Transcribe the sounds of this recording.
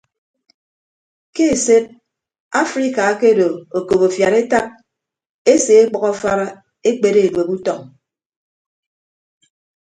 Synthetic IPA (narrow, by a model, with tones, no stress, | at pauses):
ke˦e˨se˦p̚ | a˦fɾi˦ka˨˦ke˦do˨o˨ko˨po˨fja˨ɾe˦ta˦p̚ | e˦se˨e˦k͡pɔ˨ɣɔ˦fa˦ɾa˦ | e˦k͡pe˨ɾe˦e˨dwe˨bu˦tɔ˨ŋ